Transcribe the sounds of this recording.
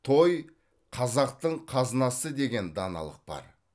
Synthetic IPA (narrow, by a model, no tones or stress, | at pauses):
t̪ʰo̞j | qʰɑzɑqt̪əɴqʰɑznɑsəd̪e̞ɡʲe̞nd̪ɑnɑ̰lˠə̰q̚b̥ɑ̰ɾ